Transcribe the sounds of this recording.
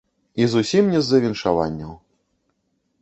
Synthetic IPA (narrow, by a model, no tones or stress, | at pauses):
izusʲimnʲɛzːɐvʲinʂava̰nʲːɐw